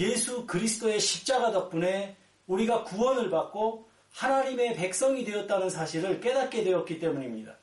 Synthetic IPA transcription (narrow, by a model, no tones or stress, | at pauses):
je̞sʰukɯɾisʰɯ̥t͈oe̞ɕʰip̚t͡ɕ͈aɡadʌk̚p͈une̞ | uɾiɡakuwʌnɯɭbak̚k͈o | hanaɲime̞pe̞k̚s͈ʌŋidwe̞ʌt̚t͈anɯnsʰaɕʰiɾɯɭk͈e̞dat̚k͈e̞dwe̞ʌt̚k͈it͈e̞muɲimɲida